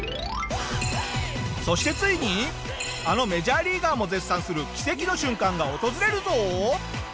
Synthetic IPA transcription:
so̞ɕi̥t̪e̞t͡sɨiɲ̟i | ano̞me̞ʑaːɾʲiːɡaːmo̞d͡ze̞sːãɰ̃sɨɾɯ̟kʲi̥se̞kʲino̞ɕɨ̃ŋkãŋɡao̞t̪o̞zɨɾe̞ɾɯ̟zo̞

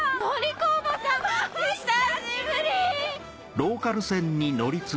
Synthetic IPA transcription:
moɾʲikobat̪ḁ | aibɯɾʲi | ɾo̞ːkaɾɯ̟sẽ̞ɲ̟ːino̞ɾʲit͡sɨ

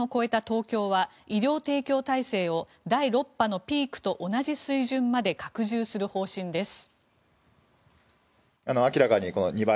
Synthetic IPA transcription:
oko̞e̞t̪at̪o̞ːkʲo̞ːβa | iɾʲjo̞ːt̪e̞ːkʲo̞ːt̪aise̞ːo̞ | d̪aiɾo̞pːano̞pʲiːkɯ̟̥t̪o̞ʔonaʑisɨiʑɨ̃mːad̪e̞kakɯ̟ʑɨːsɨɾɯ̟ho̞ːɕĩnd̪e̞sɨ̥ | ano̞akʲiɾakaɲ̟iko̞no̰ɲ̟iba

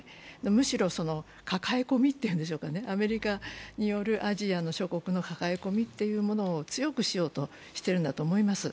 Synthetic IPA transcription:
nomɯ̟ɕiɾo̞so̞no̞ | kakaeko̞mʲit̪ːe̞jɯ̟nd̪e̞ɕo̞ːkane̞ʔame̞ɾʲikaɲ̟ijo̞ɾɯ̟ʔaʑiano̞ɕo̞ko̞kɯ̟no̞kakaeko̞mʲit̪ːe̞jɯ̟ːmo̞no̞ːt͡sɨjo̞kɯ̟ɕijo̞ːt̪o̞ | ɕi̥t̪e̞ɾɯ̟nd̪at̪o̞ːmo̞imasɨ

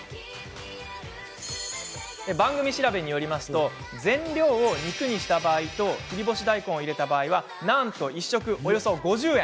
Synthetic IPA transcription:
ebãŋɡɯ̟mʲiɕiɾabe̞ɲ̟ijo̞ɾʲimasɨ̥t̪o̞ | zẽ̞nɾʲo̞ːoɲ̟ikɯ̟ɲ̟iɕi̥t̪abaːit̪o̞kiɾʲibo̞ɕid̪aikõ̞ɰ̃oiɾe̞t̪abaːiβa | nãnt̪o̞iɕːo̞kɯ̟ʔo̞jo̞so̞ɡo̞ʑɨːẽ̞

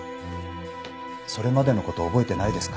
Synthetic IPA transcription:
so̞ɾe̞mad̪e̞no̞ko̞t̪o̞ːbo̞e̞t̪e̞naid̪e̞sɨ̥kḁ

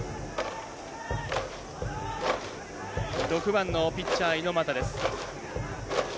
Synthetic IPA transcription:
ɾo̞kɯ̟bãnːo̞pʲit͡ɕːaːino̞mat̪ad̪e̞sɨ̥

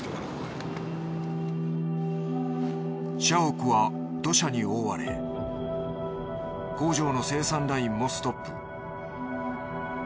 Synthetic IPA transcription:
ɕaokɯ̟βa | d̪̥o̞ɕaɲioːβaɾe̞̰ | ɡ̥o̞ːʑo̞ːno̞se̞ːsãnɾaĩmːo̞sɨ̥t̪o̞pːɯ̰

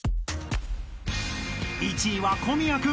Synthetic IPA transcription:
it͡ɕiβakomʲiakɯ

